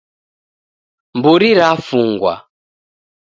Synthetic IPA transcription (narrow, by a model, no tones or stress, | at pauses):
mbuɾiɾafuŋɡwa̰